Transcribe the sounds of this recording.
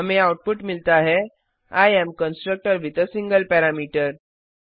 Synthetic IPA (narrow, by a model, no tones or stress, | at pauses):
əmeawʈ̚puʈmilt̪aɦɛ | ajemkənsʈɾək̚ʈəɾʋit̪əsiŋɡəlpɛɾamiʈəɾ